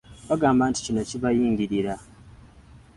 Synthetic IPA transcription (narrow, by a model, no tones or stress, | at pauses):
βaɡaːmbanti̥cino̞ciβajiːŋɟiɾiɾa